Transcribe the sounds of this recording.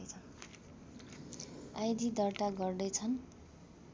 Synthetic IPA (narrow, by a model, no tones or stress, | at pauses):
t͡sʰʌn | ajd̪id̪ʌrʈaɡʌrd̪ʌjt͡sʰʌn